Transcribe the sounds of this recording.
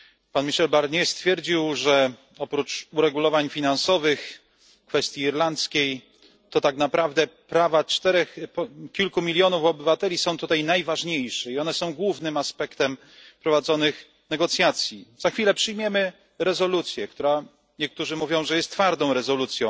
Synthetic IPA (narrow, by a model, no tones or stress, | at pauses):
panmʲiʂɛlbaɾɲɛst̪fʲjɛɾd͡ʑiwʐɛ | ɔpɾut͡ʂuɾɛɡulɔvaɲfʲinansɔvɘx | kfɛst̪ʲjiːɾlant̪skʲej | t̪ɔt̪aknapɾavd̪ɛpɾavat͡ʂt̪ɛɾɛxpkʲilkumʲilʲjɔnufɔbɘvat̪ɛlʲisɔ̃w̃t̪ut̪ajnajvaʐɲejʂɛiɔnɛsɔ̃w̃ɡwuvnɘmaspɛkt̪ɛm | pɾɔvad̪zɔnɘx | nɛɡɔt̪sʲjat̪sʲjizaxfʲilɛpʂɘjmʲjɛmɘ | ɾɛzɔlut̪sʲjɛk̚t̪uɾa | ɲɛk̚t̪uʐɘmuvʲjɔ̃w̃ʐɛjɛst̪t̪faɾd̪ɔ̃w̃ɾɛzɔlut̪sʲjɔ̃w̃